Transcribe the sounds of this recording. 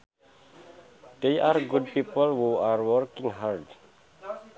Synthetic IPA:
d̥earɡud̚pipəlhuarwɔrkĩŋɦard

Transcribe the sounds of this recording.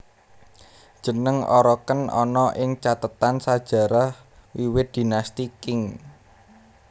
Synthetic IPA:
d̥ʒ̥ə̤nəŋɔ̰ɾɔkənɔ̰nɔʔɪŋt͡ʃat̪ət̪ansḁʒ̥a̤ɾah | wiwɪt̪̚d̪̥i̤nast̪ikɪŋ

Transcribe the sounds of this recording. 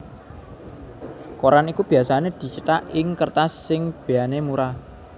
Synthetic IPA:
koɾanikub̥i̤asaned̪̥i̤t͡ʃəʈ̪aʔɪŋkərt̪asːɪŋb̥eanemuɾa

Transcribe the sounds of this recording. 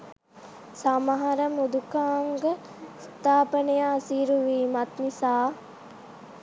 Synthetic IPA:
samaɦɐɾəmud̪ukaːŋɡə | st̪aːpənejasiːɾuʋiːmɐt̪nisaː

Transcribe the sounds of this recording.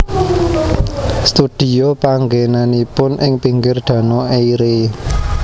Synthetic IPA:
st̪ud̪̥i̤jopaŋɡenanipʊnʔɪŋpiŋɡɪrd̪̥ä̤noʔeiɾe

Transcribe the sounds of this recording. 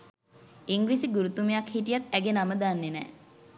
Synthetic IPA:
iŋɡɾisiɡuɾut̪umejakhiʈijat̪æɡenaməd̪aːnːenɛ̰ː

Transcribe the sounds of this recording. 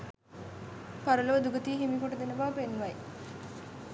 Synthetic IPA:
paɾəloːd̪uɡət̪iːɦimikoʈəd̪enəbaʋəpenːʋɐj

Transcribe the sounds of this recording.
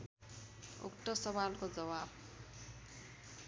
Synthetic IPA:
ṵkʈʌsʌbalkod͡zʌwab̚

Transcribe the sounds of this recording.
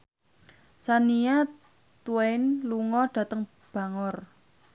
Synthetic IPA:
sania | t̪uɛɪnluŋɔɖ̥ä̤t̪əŋ | b̥a̤ŋɔr

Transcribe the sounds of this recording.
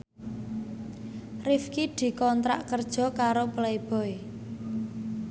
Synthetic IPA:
rifkid̪̥i̤kɔnt̪ɾa̰ʔkərd̥ʒ̥ɔ̤kaɾoplaeb̥ɔ̤e

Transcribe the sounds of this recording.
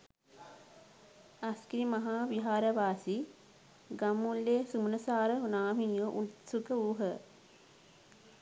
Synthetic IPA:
ɐskɾimɐɦaːʋiɦaːɾɐʋaːsi | ɡɐmːulːeːsumunɐsaːɾəunaːʋinjoʔut̪sukəuːɦə

